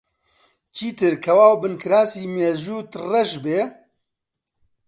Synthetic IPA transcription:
t͡ʃʰiːt̪ɨɾkʰɐwaːwbɨnkʰɨɾaːsiːmeːʒuːt̪rɛʃbeː

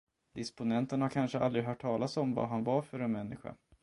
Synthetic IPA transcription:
d̪̥ɪspʊnɛnt̪ənhaɾkʰanʂəa̰ld̪ɾɪɡɦœːʈʰːɑːlasɔmva̰ɦanvaɾfœɾɛnmɛnːɪɧa̰

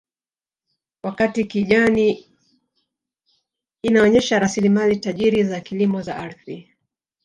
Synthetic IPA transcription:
wakatikiʄani | naɔɲɛʃaɾasilimalitaʄiɾizakilimɔzaʔaɾθi

